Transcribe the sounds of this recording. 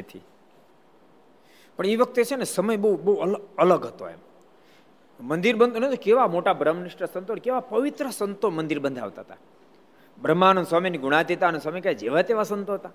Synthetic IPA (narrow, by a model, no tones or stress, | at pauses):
nət̪ʰḭ | pəɳiʋək̚t̪et͡ʃʰenesəməjbəubəuələləɡɦət̪o̰ḛm | mə̃nd̪iɾbənd̪ʱont̪okeʋamoʈabɾəmniʃʈəsənt̪onkeʋapəʋit̪ɾəsənt̪omənd̪iɾbənd̪ʱa̰ʋt̪aɦət̪a | bʱɾəmːanõswaminiɡuɽ̃at̪it̪anõswamikajd͡ʒeʋat̪eʋasənt̪oɦət̪a